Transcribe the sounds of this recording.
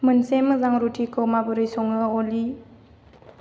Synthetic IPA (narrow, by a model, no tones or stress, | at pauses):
mɯnsemɯzaŋɾutʰikʰɔmabɯɾɯjsɔŋɯoli